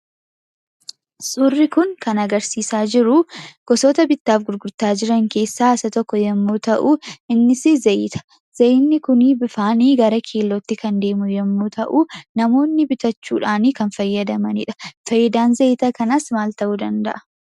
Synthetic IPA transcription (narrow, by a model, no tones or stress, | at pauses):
sʼʊrːɪkʊŋkɐnɐɡɐɾsiːsaːd͡ʒɪɾʊɡ̥ɔsoːt̪ɐbɪt̪ːaːfɡʊɾɡʊɾt̪aːd͡ʒɪɾɐŋke̞ːsːaːɪsɐt̪ɔkːɔjɛmːuːt̪ɐʔuʔɪnːɪsɪzɐjt̪ʰɐ̥ | z̥ɐjnːɪkʊniːbɪfaːniːɡɐɾɐkʰeːlːɔt̪ːɪkɐnd̪e̞ːmʊjɛmːuːt̪ʰɐʔunɐmo̞ːnːɪbɪt̪ɐt͡ʃːṵːᶑaːniːkɐnfɐjːɐd̪ɐmɐnɪ̰ᶑɐ̥fɐjːɐd̪aːnzɐjt̪ɐkɐnɐsmaːlt̪ɐʔuːd̪ɐnd̪ɐ̰ʔɐ̥